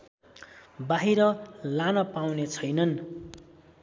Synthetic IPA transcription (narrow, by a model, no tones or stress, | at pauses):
baɦiɾʌlanʌpawnet͡sʰʌjnʌn